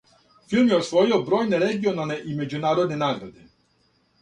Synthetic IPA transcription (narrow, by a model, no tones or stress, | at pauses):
fʲilmjɔsvɔjɔbɾɔjnɛɾɛɡiɔnalnɛʔimɛd͡ʑunaːɾɔd̪nɛnaɡɾad̪ɪ